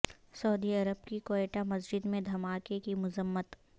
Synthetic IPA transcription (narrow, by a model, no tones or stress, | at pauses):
sɐʊd̪iɐɾəb̚kikoːeːʈamɐs̬d͡ʒɪd̪mẽd̪ʱɐmaːkekimʊzəmːət̪